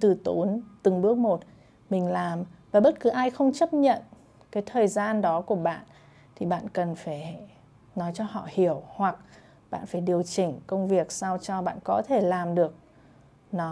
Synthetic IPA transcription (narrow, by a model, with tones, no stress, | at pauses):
t̪ɨ˨˩t̪o˨˦nt̪ɨ˨˩ŋɓɨ˦˥ək̚mo˨˩t̚ | mï˨˩ŋ̟laː˨˩mvaː˨˩ɓə˦˥t̚kɨ˨˦ʔaː˧jxə˧wŋ͡mt͡ɕə˦˥p̚ɲə̰˧˨n | kaː˨˦jt̪ʰəː˨˩jzaː˧nɗɔ˨˦ku˧˩əɓa̰ː˧˨n | t̪ʰi˨˩ɓa̰ː˧˨nkə˨˩nfaː˧˩j | nɔ˨˦jt͡ɕɔ˧hɔ̰˧˨hi˧˩əwhwa˨˩k̚ | ɓa̰ː˧˨nfaː˧˩jɗi˨˩əwt͡ɕï˨˩ŋ̟kə˧wŋ͡mvi˨˩ək̚sa˧wt͡ɕɔ˧ɓa̰ː˧˨nkɔ˨˦t̪ʰe˧˩laː˨˩mɗɨ˨˩ək̚ | nɔ˨˦